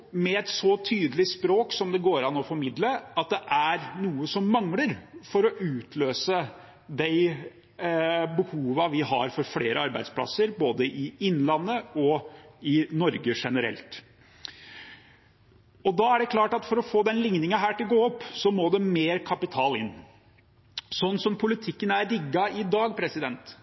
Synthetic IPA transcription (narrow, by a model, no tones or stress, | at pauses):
mɛɛt̪sɔt̪ʰyːd̪əlɪspɾoːksɔmd̪ɛɡoːɾɑnɔfɔɾmɪd̪ləɑt̪̚d̪ɛʔæɾnuːəsɔmːɑŋləɾfɔɾɔʔʉːt̪ʰløːsə | d̪æɪ | bəhuːʋəʋɪɦɑ̰ɾfɔɾfleːɾʔəɑɾbæ̰ɪspʰlɑ̰səɾboːd̪əʔɪɪnːlɑnːəɔɪnɔɾɡəʂɛnəɾɛ̰lt̪ | ɔd̪ɑæɖɛkʰlɑːʈɑt̪fɔɾɔfoːd̪ɛnlɪŋnɪŋɑɦæːʈɪlɡoːɔpːsɔmoːd̪ɛmeːɾkʰɑpɪt̪ʰɑːlɪ̰nː | sɔnːsɔmpʰʊlɪt̪ʰɪkːənæɾlɪɡːɑʔɪd̪ɑːɡpʰɾɛsɪd̪ɛnt̪